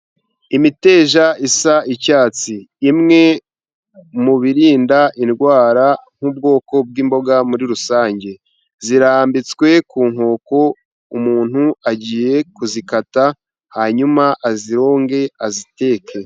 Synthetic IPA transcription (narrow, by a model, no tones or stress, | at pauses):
imite̞ːʒaʔisaʔicaːt͡siːmŋe̞ | muβiɾiːndaʔinɡwaːɾaŋ̥ubɡo̞ːko̞b̚ɡiːmbo̞ɡamuɾiɾusaːɲɟe̞ | ziɾaːmbit͡skwe̞kuːŋho̞ːko̞ | umuːn̥huaɟiːje̞kuzikata | haɲumaʔaziɾo̞ːŋɡe̞azite̞ːkʰe̞